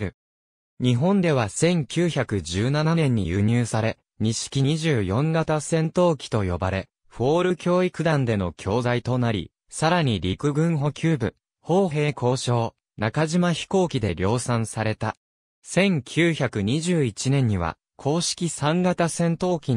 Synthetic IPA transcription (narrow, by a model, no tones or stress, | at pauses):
ɾɯ̟ | ɲ̟iɦõ̞nd̪e̞β̞asẽ̞ŋkʲɨːçakɯ̟d͡ʑɨːnananẽ̞ɲ̟ːḭjɯ̰ɲ̟ɨːsaɾe̞ | ɲ̟iɕi̥kʲiiʑɨːjõ̞ŋɡat̪asẽ̞nt̪o̞ːkʲi̥t̪o̞jo̞ba̰ɾe̞ | ɸo̞ːɾɯ̟kʲo̞ːikɯ̟d̪ãnd̪e̞no̞kʲʰo̞ːzait̪o̞naɾʲḭ | saɾaɲ̟iɾʲikɯ̟ɡɯ̟̃ɰɦo̞kʲʰɨːbɯ̟ | ho̞ːɦe̞ːkʰo̞ːɕo̞ː | nakaʑimaçi̥ko̞ːkʲid̪e̞ɾʲo̞ːsãɰ̃saɾe̞t̪a | sẽ̞ŋkʲʰɨːçakɯ̟ɲ̟iʑɨːit͡ɕinẽ̞ɲ̟ːiβa̰ | kʰo̞ːɕi̥kʲisãŋɡat̪asẽ̞nt̪o̞ːkʲi